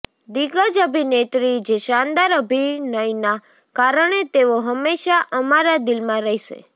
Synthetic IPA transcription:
d̪iɡəd͡ʒəbʱinet̪ɾid͡ʒeʃand̪aɾəbʱinəjna | kaɾəɳ̃et̪eʋoɦəmːeʃaʔəmaɾad̪ɪlmãɾəɦiʃḛ

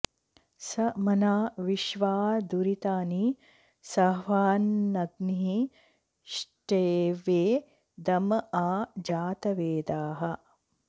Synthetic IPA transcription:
sɐmɐnaːʋiʃʋaːd̪uɾit̪aːni | sɐʋaːnːɐɡniɦi | ʃʈeːʋeː | d̪ɐmɐaːd͡ʒaːt̪ɐʋeːd̪aːɦɐ̆

